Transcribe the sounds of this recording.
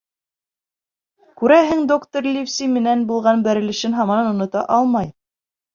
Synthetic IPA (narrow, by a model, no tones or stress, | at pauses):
kʉɾæɦɘŋd̪okt̪orlʲifsʲimɘ̆nænbulˠʁɑnbæɾɘ̆lɘ̆ʃɘnɦɑmɑnɤnŏnŏt̪ɑʔɑlˠmɑj